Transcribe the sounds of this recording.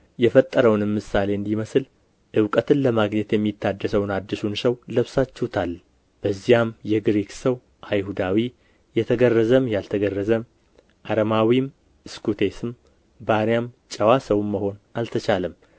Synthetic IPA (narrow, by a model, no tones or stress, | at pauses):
jɛfət̪ʼːəɾəwnmːɨsale̞ɨnd̪iməsɨl | ʔɨwkʼət̪ʰɨnləmaɡɲɛt̪jɛmːit̪ʰːad̪ːəsəwnad̪ːɨsunsəwləβsat͡ʃːɛwt̪ʰal | b̥əzːijamjɛɡɾeksəw | ʔajhud̪awi | jɛt̪ʰəɡərːəzəmjalt̪ʰəɡərːəzəm | ʔaɾəmawim | ɨskut̪ʰe̞sɨm | baɾjamt͡ʃʼəwasəwmːəho̞nalt̪ʰət͡ʃaləm